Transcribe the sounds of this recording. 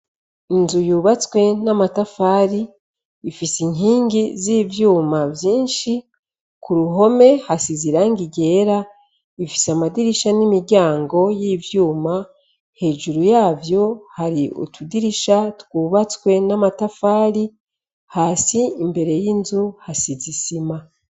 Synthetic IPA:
inzujuːβat͡swe̞namatafaːɾiː | fisiɲɦiːŋɡiziːvjuːmavjiːnʃi | kuɾuɦo̞me̞hasiziɾaŋɡiɟe̞ːɾa | ifi̥samadiɾiʃanimiɾɟaːŋɡo̞jiːvjuːma | he̞ːʒuɾujaːvjo̞haɾiṵtʰudiɾiʃatkuːβat͡swe̞namatafaːɾi | haːsiimbe̞ɾe̞jinzuhasizisima

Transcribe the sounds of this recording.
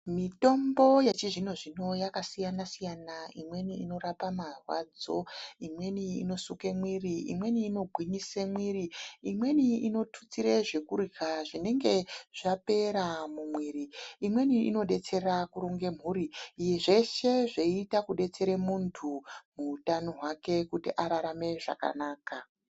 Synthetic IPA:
mito̞mbo̞jet͡ʃiʐin̤oʐino̞jakasijanasijanaimwe̞niino̞ɾapamarwa̰d͡zo̞imwe̞niḭno̞sukemwiriḭmwe̞niːno̞ɡʱwiɲisemwiriimwe̞niino̞tʰu̥t͡siɾe̞ʐe̞kuɾikaʐine̞ŋɡe̞ʐ̥ape̞ɾamumwiːɾiimwe̞niḭno̞ɗe̞t͡se̞ɾakuɾoŋɡem̤ɦuːɾiːje̞ʐe̞ʃe̞ʐeiitakuɗe̞t͡se̞ɾemuntʰumuːtano̞ɦwake̞kutiʔaɾaɾame̞ʐa̰ka̰naːka

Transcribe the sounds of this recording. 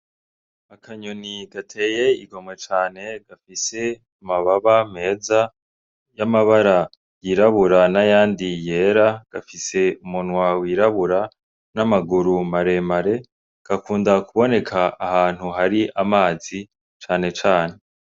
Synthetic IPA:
akʰaɲoniɡatʰe̞ːje̞iɡo̞mwe̞t͡ʃaːne̞ɡ̥afise̞ | maβaβame̞ːza | jamaβaɾa | jiɾaβuɾanajaːndije̞ːɾaɡ̥afise̞umunwawiɾaβuɾa | namaɡuɾumaɾe̞maɾe̞ | ɡ̥akuːndakuβo̞ne̞kʰaːhaːn̥huhaɾiʔamaːzi | t͡ʃaːne̞t͡ʃaːne̞

